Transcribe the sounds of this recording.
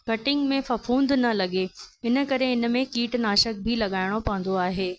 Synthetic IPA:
kɐʈɪ̃ŋɡmẽfɐfʰũːnd̪nɐlɐɠeɪnə̆kɐɾeɪnə̆mẽkiːʈnaːʃək̚bʱilɐɠaːɪɽ̃opɐ̃ʋə̃n̆d̪oaːɦeː

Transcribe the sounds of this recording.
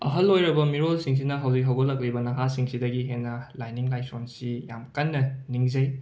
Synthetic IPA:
ɐ̰ɦɐlːojɾɐbɐmiɾolsiŋs̬inɐɦɐwzik̚ɦɐwɡolːɐk̬̚libɐnɐɦasiŋsidɐɡiɦenːɐlajniŋlajsonsija̰mkɐnːɐniŋzɐj

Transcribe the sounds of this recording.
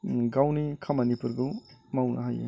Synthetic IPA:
ɡawnikʰamɐnipuɾɡɯwmawnɐ̰ɦajḛ

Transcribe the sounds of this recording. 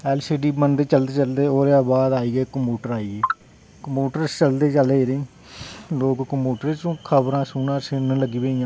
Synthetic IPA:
ɛːlsiːɖiːbənd̪eːt͡ʃəld̪eːt͡ʃəld̪eːoːɾjaːbaːd̪aːiːɡeːkəmuːʈəɾaːiːɡeː | kəmuːʈəɾst͡ʃəld̪eːt͡ʃəleːɾẽː | loːkkəmuːʈəɾt͡ʃõːkʰəbɾãːsuːnãːsɪnələɡiːbeːãː

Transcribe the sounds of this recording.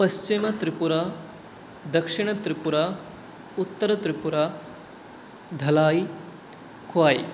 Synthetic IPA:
pɐst͡ʃimɐt̪ɾipuɾa | d̪ɐkʂiɳ̃ɐt̪ɾipuɾa | ut̪ːɐɾɐt̪ɾipuɾa | d̪ʱɐlaːj | kʰʋaːj

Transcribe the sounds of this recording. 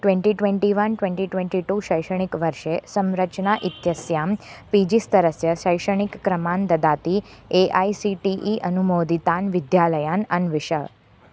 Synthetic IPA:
ʈʋẽɳʈiʈʋeɳʈiʋənʈʋẽɳʈiʈʋẽɳʈiʈuʃəjʃəɳ̃ikʋəɾʃesəmɾət͡ʃnaʔit̪jəsjampid͡ʒist̪əɾəsjəʃəjʃəɳ̃ikːɾəmand̪əd̪at̪ieʔaisiʈiʔiʔənumod̪it̪anʋɪd̪jaləjanənʋɪʃəɭ

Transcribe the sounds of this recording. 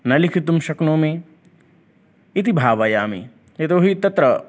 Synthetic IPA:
nɐlikʰit̪umʃɐknõːmẽ | it̪ibʱaːʋɐjaːmḭ | et̪oːɦit̪ɐt̪ɾɐ

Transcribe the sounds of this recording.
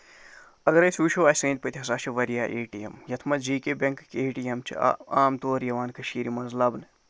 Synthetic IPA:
ɐɡɐɾɐsuːʃʰoːaːsẽːnd̪̚pɐt̪ʰʲiɦɐsaːt͡ʃʰɐʋɐɾjaːʔeːʈijḛmjɐt̪ʰmɐt̪d͡ʒiːkebʲeŋkkeːʈijɐmt͡ʃʰḭaːmt̪oːɾjɐʋaːnkɐʃiːɾimɐnzlɐbn

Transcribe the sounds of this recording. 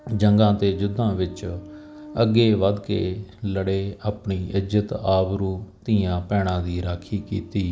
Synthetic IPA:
d͡ʒəŋɡãːt̪eːd͡ʒʊd̪ʱːãːʋɪt͡ʃ | əɡːeːʋəd̪kḛːləɽeːaːpɳiːʔɪd͡ʒət̪aːbɾuːt̪iːãːpɛːɽ̃ãːd̪iːɾaːkʰiːkḭːt̪iː

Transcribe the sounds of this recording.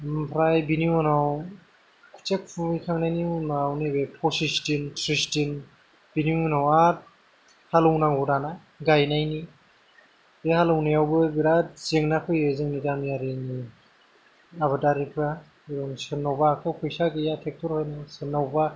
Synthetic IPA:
mpʰɾajbiniunaw | kʰu̥t͡ʃek̚pʰumijkʰaŋnajniunawnibepʰɔsistintʰɾistin | biniunawat̚ | halɯwnaŋɔɾana | ɡajnajni | ehalɯwnijawbɯbiɾatzeŋnapʰɯjezɯŋnidanijaɾini | aβɯdaɾipʰa | iɾɔŋsɯnawbakʰɯpʰɔjsaɡejatʰek̚tʰɔɾhɔjnɯsɯnːawba

